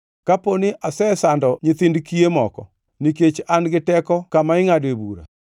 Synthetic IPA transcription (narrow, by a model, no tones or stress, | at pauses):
kaponɪʔasɛsandɔɲɪt̪ɪndkiemɔkɔ̰ | niket͡ʃanɡɪtɛkɔkamaɪŋadebuɾa̰